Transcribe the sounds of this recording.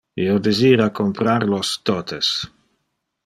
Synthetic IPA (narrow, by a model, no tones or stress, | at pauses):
iod̪eziːɾakompɾaɾlost̪ot̪es